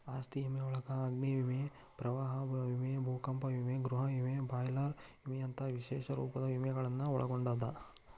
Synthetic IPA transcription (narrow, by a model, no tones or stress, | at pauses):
aːst̪iimeɔɭɐkɐːɡniʋime | pɾɐʋaːɦɐʋimebʱuːkɐmpɐʋimeɡɾuɦɐʋimebaːjlaːɾimeɐnt̪ʰɐʋiʃeːʃɐɾuːpɐd̪ɐʋimɛɡɐɭɐnːɐɔɭɐ̰ɡoɳɖaːd̪ɐ